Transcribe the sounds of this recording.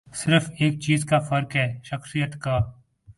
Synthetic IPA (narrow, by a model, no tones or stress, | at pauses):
sɪɾfeːk̚t͡ʃiːzkafəɾkɦɛːʃəxsijət̪kaː